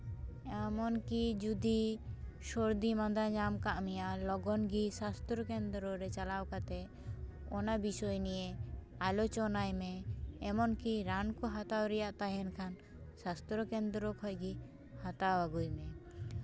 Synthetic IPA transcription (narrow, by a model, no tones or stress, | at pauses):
ɛmɔnkid͡ʒud̪i | ʃɔɾd̪imãd̪aɲamkaʔmɛjalɔɡɔnɡisast̪ɾɔkɛnd̪ɾɔɾɛt͡ʃalawkat̪ɛ | ɔnabisɔjnijɛ | alɔt͡ʃɔnajmɛːmɔnkiɾankɔɦat̪awɾɛjaʔt̪aɦɛnkʰan | sast̪ɾɔkɛnd̪ɾɔkʰɔjɡi | hat̪awaɡujmɛ